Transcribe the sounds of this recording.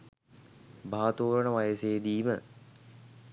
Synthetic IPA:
bʱaːt̪oːɾəɳəʋajəseːd̪iːmə

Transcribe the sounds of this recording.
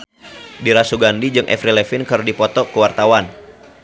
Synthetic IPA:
diɾasuɡandid͡ʒɨŋʔɛ̰fɾilɛfɪnkɨrdipɔt̪ɔkuwart̪awan

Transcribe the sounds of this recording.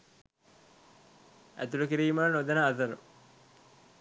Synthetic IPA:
æ̰t̪ulukiɾiːmaːnod̪ɐnaːzɐɾṵ

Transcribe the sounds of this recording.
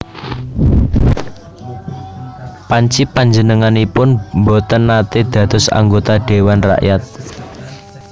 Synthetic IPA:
paɲt͡ʃipaɲd͡ʒənəŋanipʊnmbot̪ənːat̪ed̪̥ä̤d̪̥ɔ̤sa̰ŋɡot̪aɖ̥e̤wanra̰ʔjat̪̚

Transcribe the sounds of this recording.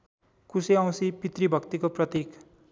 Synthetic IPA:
kuseãw̃sipit̪ribʱʌkt̪ikoprʌt̪ik

